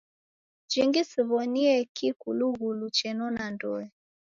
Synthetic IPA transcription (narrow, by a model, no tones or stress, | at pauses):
d͡ʒiŋɡisiβɔniɛkikuluɣulut͡ʃɛnɔnandɔ̰ɛ